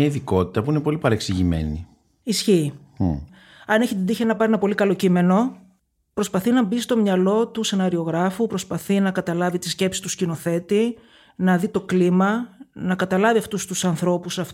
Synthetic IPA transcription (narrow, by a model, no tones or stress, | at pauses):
ɐiðiko̞t̪it̪ɐpuine̞po̞lipɐɾeksiʝimḛnḭ | isçi | ɐneçit̪id̪içenɐpɐɾinɐpo̞likɐlo̞cime̞no̞ | pɾo̞spɐθinɐbist̪o̞mɲɐlo̞t̪use̞nɐɾio̞ɣɾɐfupɾo̞spɐθinɐkɐt̪ɐlɐvit̪isce̞psi̥t̪uscino̞θe̞t̪i | nɐðit̪o̞klimɐnɐkɐt̪ɐlɐviɐft̪ust̪usɐnθɾo̞pusɐf